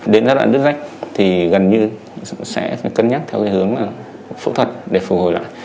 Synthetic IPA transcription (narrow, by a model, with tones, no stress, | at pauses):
ɗe˨˦nzaː˧˦wa̰ː˧˨ɗɨ˦˥k̚za˦˥jk̟̚t̪ʰi˨˩ɣə˨˩nɲɨ˧ | sɛ̰˧˥faː˧˩jkə˧nɲaː˦˥t̚t̪ʰɛ˧wkaː˧˦hɨ˨˦əŋlaː˨˩ | fṵ˧˥t̪ʰwə˨˩t̚ɗe˧˩fu˨˩ho˨˩jla̰ː˧˨j